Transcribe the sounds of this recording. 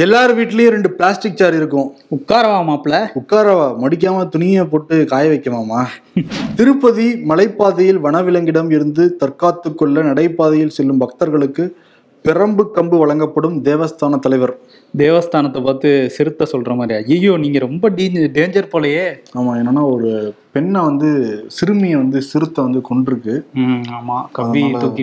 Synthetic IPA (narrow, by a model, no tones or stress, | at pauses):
ɛlːaːɾɯʋiːʈːɪlɐjʊ̃ɾɛɳɖɯpɪɭaːsʈɪk̚t͡ʃaːɾɪɾɯk̬ːʊ̃ʊkːaːɾɐʋaːmaːpɭɐʊkːaːɾɐʋaːmɐɽɪk̬ːaːmɐt̪ʊnɪjɐp̬oːʈːɯkaːjɐʋɐɪkːɐmaːmaː | t̪ɪɾɯpːɐðimɐlɐɪpːaːðɐjɪlʋɐɳɐʋɪlɐŋɡɪɽɐmɪɾɯnd̪ɯt̪ɐɾkaːt̪ːɯkːɔɭːɐnɐɽɐɪpːaːðɐjɪlsɛlːɯmbɐk̚t̪ɐɾɣɐɭɯkːɯ | pɪɾɐmbɯkːɐmbɯʋɐɭɐŋɡɐpːɐɽɯmd̪eːʋɐst̪aːnɐt̪ːɐlɐɪʋɐɾ | d̪eːʋɐst̪aːnɐt̪ːɐpaːt̪ːɯsɪɾɯt̪ːɐsɔlɾɐmaːd̪ɾɪjaːjɪjjoːniːŋɡɐɾɔmbɐɖɖeːɲd͡ʒɐɾpoːlɐjeːaːmaːeːnːɐːnːaːɔɾɯpɛnːɐʋɐnd̪ɯsɪɾɯmɐjɐʋɐnd̪ɯsɪɾɯt̪ːɐʋɐnd̪ɯkɔɳɖɪɾɯkːɯaːmaːkɐʋːit̪oːkːɪ